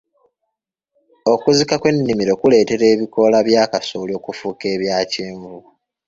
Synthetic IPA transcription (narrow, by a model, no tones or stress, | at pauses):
o̞kuzikakwe̞nːimiɾo̞ːkule̞ːte̞ɾe̞ːβiko̞laβjaːkasoːlo̞ːkufuːke̞ːβjaːceːɱvu